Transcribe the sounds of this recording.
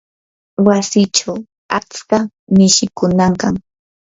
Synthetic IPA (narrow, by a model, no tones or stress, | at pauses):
wasɪt͡ʃaw | at͡ska | mɪʃɪkʊnaŋkaŋ